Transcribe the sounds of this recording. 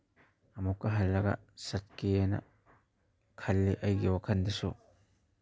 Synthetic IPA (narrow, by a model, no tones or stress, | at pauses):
ʔɐmʊkːɐɦɐlːɐɡɐ̰sɐt̪keːnɐ̰ | kʰɐlːɛʔɐjɡɪwɐkɐnd̪ɪso